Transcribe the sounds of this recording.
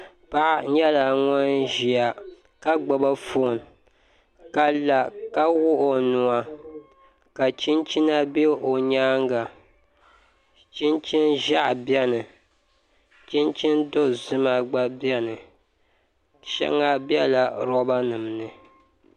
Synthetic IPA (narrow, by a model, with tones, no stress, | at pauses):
pa˦ʔɲɛ˦la˨ŋɔ˦nʒi˨a˨ | ka˦ɡ͡bɔ˨ba˦fo˦˨n˨ | ka˨la˨ka˦wʊ˦ʔo˨nu˨a˨ | ka˨t͡ʃi˦nt͡ʃi˦na˦be˦o˨ɲaː˦ŋɡa˨ | t͡ʃi˦nt͡ʃi˦nʒa˦ʔbjɛ˦nɨ˨ | t͡ʃi˦nt͡ʃi˦ndo˦zɨ˦ma˦ɡ͡ba˦bjɛ˦nɨ˨ | ʃɛ̰˦ŋa˦bjɛ˦la˨ɾɔ˦ba˦nɨ˨mnɨ˨